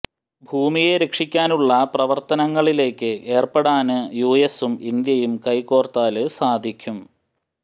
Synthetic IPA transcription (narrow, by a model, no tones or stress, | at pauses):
bʱuːmijeɾekʂikʲːaːnuɭːɐprɐʋɐrt̪ɐnɐŋːɐɭile̞ːkːɨʔe̞ːrpɐɽaːnɨjuːjesumind̪jɐjumkɐjko̞ːrt̪aːlɨsaːd̪ʱikʲːum